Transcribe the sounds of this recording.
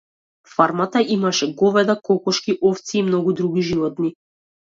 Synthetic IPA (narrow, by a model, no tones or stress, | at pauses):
faɾmat̪aimaʃɛɡɔvɛd̪akɔkɔʃkiʔɔft̪siːmnɔɡud̪ɾuɡiʒivɔt̪ni